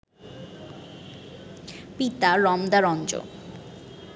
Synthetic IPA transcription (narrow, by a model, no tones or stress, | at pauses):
pit̪aɾɔmd̪aɾɔnd͡ʑo̰